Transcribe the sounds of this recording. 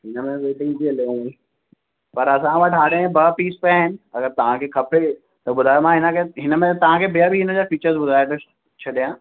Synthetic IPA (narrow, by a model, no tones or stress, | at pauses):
ɦɪnəmẽʋeːʈɪ̃ŋɡbiɐlẽĩ | pɐɾɐsãʋaʈɦaːɽeẽbɐpiːspeaɦɪnɪ̆ɐɡəɾt̪ɐʋ̤ãkʰekʰɐpe | t̪ɐɓʊd̪ʱaːomãɦɪnəkʰeɦɪnəmẽt̪ɐʋ̤ãkʰebijabʱiɦɪnəd͡ʑaːfiːt͡ɕəɾzbʊd̪ʱaːjt̪ɐ | t͡ɕʰɐɗijãː